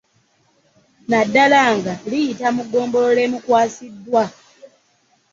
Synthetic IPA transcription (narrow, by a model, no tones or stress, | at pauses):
nadːalaːŋɡalijitamuɡːo̞ːmbo̞lole̞ːmukwaːsidːwa